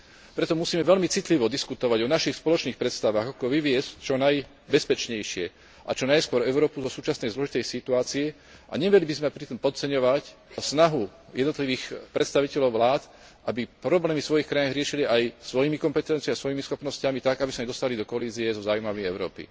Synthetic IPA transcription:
pɾɛt̪ɔmusiːmɛʋɛlmit͡sit̪liʋɔd̪iskut̪ɔʋaɟɔnaʃixspɔlɔt͡ʃniːxpɾɛt̪st̪aʋaːɣakɔʋiʋɪɛsct͡ʃɔnaj | bɛspɛt͡ʃɲɛjʃɪɛ | ʔa̰t͡ʃɔnajskʊɔɾɛʊɾɔːpuzɔsuːt͡ʃasnɛjzlɔʒit̪ɛjsit̪uaːt͡siɛ | ʔa̰ɲɛʋɛlibizmɛpɾit̪ɔmpɔt̪t͡sɛɲɔʋacsnaɦu | jɛd̪nɔt̪liʋiːxpɾɛt̪st̪aʋicɛʎɔʊʋlaːt̪ | ʔabipɾɔblɛːmisʋɔjixkɾajaɦɾɪɛʃiliʔajsʋɔjimikɔmpɛt̪ɛnt͡siiasʋɔjimisxɔpnɔscamit̪akabisaɲɛd̪ɔst̪alid̪ɔkɔaliːziɛzɔzaːumaʋijɛʊɾɔ̰ːpḭ

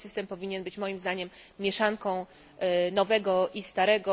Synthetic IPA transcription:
sɘst̪ɛmpɔvʲiɲɛnbɘt͡ɕmɔjimzd̪aɲɛmːʲjɛʂaŋkɔ̃w̃ | nɔvɛɡɔʔist̪aɾɛɡɔ

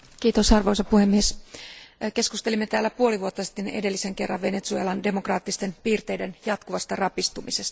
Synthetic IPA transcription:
k̟iːt̪osɑrʋojsɑpuhe̞mːies | ke̞skust̪e̞limːet̪æːlːæpuo̞liʋuot̪ːɑsi̥t̪ːenede̞lːise̞ŋke̞rːɑ̰ʋʋe̞net̪suelɑnde̞mokrɑːt̪ːist̪e̞npiːrt̪e̞jde̞njɑt̪kuʋɑst̪ɑrɑpist̪umise̞st̪ɑ̥

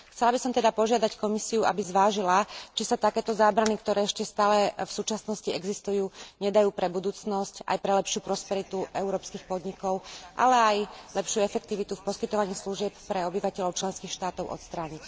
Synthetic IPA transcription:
xt͡sɛlabisɔmt̪ɛd̪apɔʒɪad̪ackɔmisiuʔa̰bizʋaːʒilat͡ʃisat̪akɛːt̪ɔzaːbɾanikt̪ɔɾɛːɛʃcɛst̪aːlɛfsuːt͡ʃasnɔsciɛɡzist̪ujuːɲɛd̪ajuːpɾɛbud̪uːt͡snɔsca̰jpɾɛlɛpʃɪupɾɔspɛɾit̪uʔɛʊɾɔːpskixpɔd̪ɲikɔʊʔa̰lɛajlɛpʃjuɛfɛk̚t̪iʋit̪ufpɔskit̪ɔʋaɲiːsluʒɪɛppɾɛɔbiʋacɛʎɔʊt͡ʃlɛnskiːxʃt̪aːt̪ɔʊʔɔ̰t̪st̪ɾaːɲic

